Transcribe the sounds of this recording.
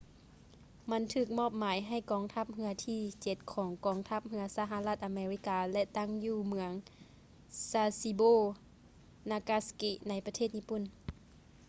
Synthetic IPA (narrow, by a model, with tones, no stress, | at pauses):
ma˧˥nt̪ʰɯː˧˩k̚mɔː˧˥˩p̚maː˨˦jɦa˧˩jkɔː˧ŋt̪ʰa˧˥˩p̚hɯ˧˥ɐt̪ʰiː˧˨t͡ɕe˧˦t̪̚kʰɔː˩˦ŋkɔː˨˦ŋt̪ʰa˧˥p̚hɯ˧˥ɐsa˧ɦa˧la˧t̪̚ʔa˧meː˧li˧˥kaː˧lɛ˧t̪a˥˨ŋjuː˧˩mɯ˧˦əŋ | saː˧si˧boː˧˥˨ | naː˧kaː˧ski˧na˧˥jpa˧t̪ʰeː˥˩t̪̚ɲiː˧˥˩pu˧˩˨n